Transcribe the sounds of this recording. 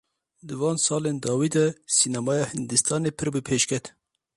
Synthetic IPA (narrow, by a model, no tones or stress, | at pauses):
d̪ɨvɑːnsɑːleːnd̪ɑːwiːd̪ɛsiːnɑmɑːjɑːhɨnd̪ɨst̪ɑːneːpʰɨɾbɨpʰeːʃkʰɛt̪